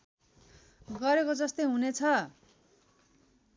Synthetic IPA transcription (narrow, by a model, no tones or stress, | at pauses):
ɡʌɾekod͡zʌst̪ojɦunet͡sʰʌ